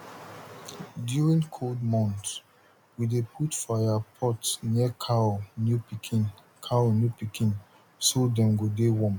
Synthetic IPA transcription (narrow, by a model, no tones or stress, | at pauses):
djuɹĩŋkʰoldmɔ̃nt | widepʰutfajapʰɔtnikʰanjupikʰĩn | kʰanjupikĩn | sodɛ̃mɡodewɔ̃m